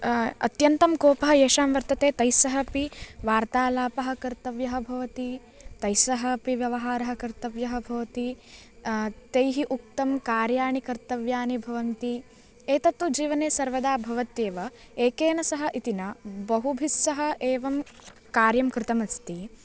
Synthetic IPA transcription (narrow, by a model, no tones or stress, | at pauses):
ɐ̰t̪jɐnt̪ɐmkoːpɐɦɐeːʃaːmʋɐɾt̪ɐt̪eːt̪ɐjsɐɦɐpiʋaːɾt̪aːlaːpɐɦɐ̆kɐɾt̪ɐʋjɐɦɐbʱɐʋɐt̪i | t̪ɐjsɐɦɐpiʋjɐʋɐɦaːɾɐɦɐ̆kɐɾt̪ɐʋjɐɦɐbʱɐʋɐt̪i | t̪ejɦiʔuk̚t̪ɐmkaːɾjaːɳikɐɾt̪ɐʋjaːnibʱɐʋɐnt̪i | eːt̪ɐt̪ud͡ʒiːʋɐneːsɐɾʋɐd̪aːbʱɐʋɐt̪eːʋɐ | eːkeːnɐsɐɦɐʔit̪inɐbɐɦubʱisːɐɦɐ̆ʔeːʋɐmkaːɾjɐmkɾɪt̪ɐmɐst̪i